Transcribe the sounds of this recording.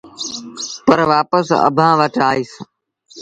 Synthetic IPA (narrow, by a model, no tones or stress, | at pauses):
pəɾʋaːpəsə̰bʱãːʋəʈaːiːs